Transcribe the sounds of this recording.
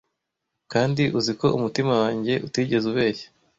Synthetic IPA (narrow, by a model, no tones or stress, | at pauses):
kaːndiʔuziko̞ʔumutimawaːɲɟe̞ʔutiːɟe̞zuβe̞ːçe̥